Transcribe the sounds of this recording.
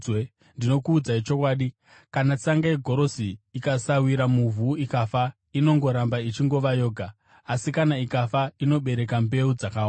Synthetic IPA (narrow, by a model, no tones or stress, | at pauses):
ndino̞kuːd͡zait͡ʃo̞kwaːɗi | kanat͡saŋɡajeɡʱo̞ɾo̞siːkasawiɾamuvʱuːikafa | ino̞ŋɡo̞ɾambait͡ʃiŋɡo̞ʋajo̞ːɡʱaː | sikanaikafaino̞ɓe̞ɾe̞kambe̞ud͡zakawaːa